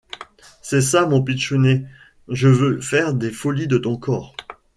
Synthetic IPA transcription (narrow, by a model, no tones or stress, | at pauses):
sɛsamɔ̃pitʃune | ʒəvøfɛʁd̪efɔlid̪ət̪ɔ̃kʰɔːʁ